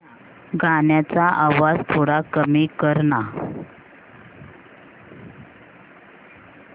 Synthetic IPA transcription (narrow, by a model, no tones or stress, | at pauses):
ɡaɳjat͡saʔaʋad͡zt̪ʰoɽakəmikəɾɳa